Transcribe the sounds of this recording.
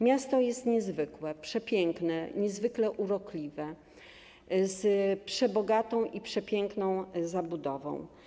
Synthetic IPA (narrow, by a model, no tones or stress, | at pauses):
mʲjast̪ɔjɛst̪ɲɛzvɘkwɛpʂɛpʲjɛŋknɛɲɛzvɘklɛʔuɾɔklʲivɛ | zpʂɛbɔɡat̪ɔ̃w̃ʔipʂɛpʲjɛŋknɔ̃w̃zabud̪ɔvɔ̰̃w̃